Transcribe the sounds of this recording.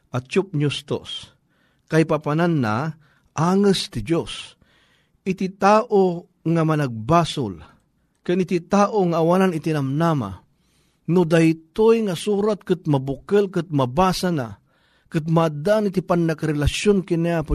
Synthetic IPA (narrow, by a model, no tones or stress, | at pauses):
ʔat͡ʃʊp̚ɲʊst̪o̰s | kajpapananːa̰ | ʔaːŋɨst̪ɪd͡ʒos | ʔɪt̪it̪aːʔo | ŋamanaɡ̚baːsʊ̰l | kɨnɪt̪it̪aːʔoŋaːwananɪt̪inamnaːma̰ | nʊd̪ajt̪ojŋasuːɾat̪̚kɨt̪̚mabʊkɨlkɨt̪̚mabaːsana | kɨt̪̚mad̪anɪt̪ɪpanːakaɾɛlaʃjonkiniap